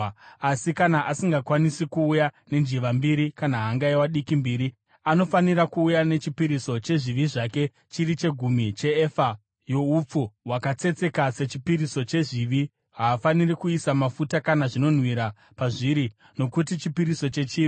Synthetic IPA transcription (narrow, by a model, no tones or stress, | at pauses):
asikanaʔasiŋɡakwanisikuːjane̞nd͡ʒiʋambiɾikanaɦaŋɡaiwaɗikimbiːɾi | ano̞faniɾakuːjane̞t͡ʃipiɾiso̞t͡ʃe̞ʐiʋiʐake̞ | t͡ʃirit͡ʃe̞ɡʱumit͡ʃe̞ːfa | jo̞up͡fuɦwakat͡se̞t͡se̞kase̞t͡ʃipiɾiso̞t͡ʃe̞ʐiʋi | ɦaːfanirikuisamafutakanaʐino̞n̤wiɾa | paʐiɾi | no̞kutit͡ʃipiɾiso̞t͡ʃe̞t͡ʃiːi